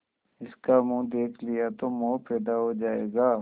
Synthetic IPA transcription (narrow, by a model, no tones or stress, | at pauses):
ɪskamũːd̪eːkʰlijat̪omopɛːd̪aɦod͡ʒaːeːɡaː